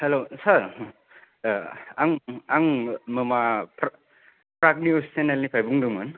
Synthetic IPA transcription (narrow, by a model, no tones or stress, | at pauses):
helosaɾ | aŋaŋməmapɾ | pɾak̚niossenelnipʰajbuŋduŋmɯn